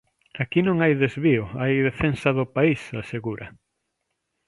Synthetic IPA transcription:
akinõŋajðezβiʊajðefensɐðʊpaisaseɣuɾɐ

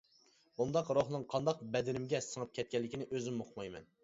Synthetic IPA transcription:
bund̪ɑqɾoχnɨŋqʰɑnd̪ɑq̚bɛd̪ɪɾɪmɡʲɛsəŋɨp̚kʲʰɛt̪̚kʲɛlːɪkʲinɪʔøzɪmːoqʰmɑjmɛ̰n

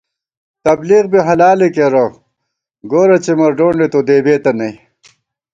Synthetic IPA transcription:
t̪ɐbliːɣbiɦɐlaːlekeɾo | ɡoːɾɐt͡ɕemɐɾɖoːɳɖet̪od̪eːbeːt̪ɐnɐj

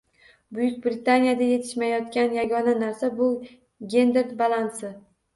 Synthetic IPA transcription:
bʊjʊk̚ʲbɾɪt̪ʰanijad̪aje̞t̪ʰɪ̥ʃmajɒt̪kʲanjaɡʲɒnanaɾsabʊ | ɡʲe̞nd̪eɾd̪balˠansɪ

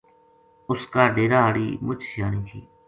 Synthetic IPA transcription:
ʊskaːɖeːɾaːəːɽḭːmʊt͡ʃʰjaːniːt̪ʰḭː

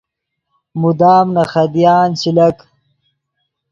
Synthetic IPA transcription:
mud̪aːmnɐχɐd̪ijaːnsilɐk

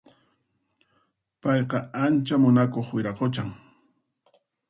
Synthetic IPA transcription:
pɑjqɑant͡ʃamʊnakoχwɪɾaqot͡ʃaŋ

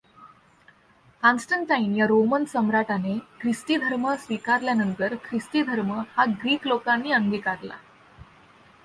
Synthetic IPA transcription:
hãnsʈəɳʈainjaɾomənsəmɾaʈanekʰɾisʈiːd̪ʱəɾməsʋikaɾljanənt̪əɾkʰɾisʈiːd̪ʱəɾməhaɡɾiːklokãnːiːəŋɡiːkaɾla̰

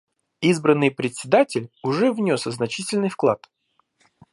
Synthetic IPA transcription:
izbɾənːɨjpɾʲɪtʲsʲɪd̪atʲɪlʲʊʐɛvnʲo̞səznɐt͡ɕitʲɪlʲnɨjfklˠat̪

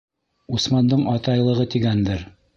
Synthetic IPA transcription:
usmɑnd̪ɤɴɒt̪ɑjlˠɤ̆ʁɤt̪iɡænd̪ɘɾ

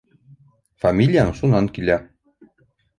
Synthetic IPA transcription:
famʲilʲɪjanɤʃunɑŋkilæ

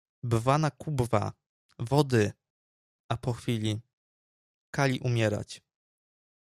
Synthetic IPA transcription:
bvanakubva̰ | vɔd̪ɘ | ʔapɔxfʲilʲi | kalʲiʔumʲjɛɾa̰t͡ɕ

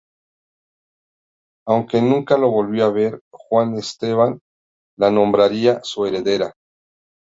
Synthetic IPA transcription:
awŋke̞nũŋkalo̞βo̞lβjoaβe̞ɾxwanest̪e̞βan | lanõ̞mbɾaɾiasue̞ɾe̞ðe̞ɾa

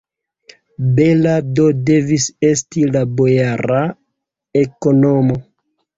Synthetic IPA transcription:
belado̞de̞vise̞stilabo̞jaɾa | e̞ko̞nomo̞

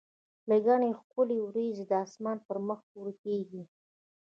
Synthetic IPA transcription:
laɡaɳexkʊlewɾezed̪əɑsmɑnpəɾməxpuɾkeɡi

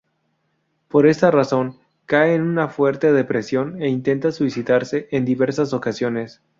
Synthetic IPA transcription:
po̞ɾe̞st̪araso̞ŋ | kaeːnunafwe̞ɾt̪e̞ðepɾesjo̞ne̞int̪e̞nt̪aswisiðaɾse̞ʔend̪iβe̞ɾsaso̞kasjo̞ne̞s

